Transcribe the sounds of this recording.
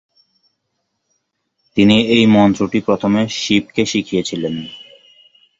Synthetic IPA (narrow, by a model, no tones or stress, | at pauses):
t̪iniejmɔnt̪ɾoʈipɾot̪ʰomeʃipkeʃikʰijet͡ɕʰilen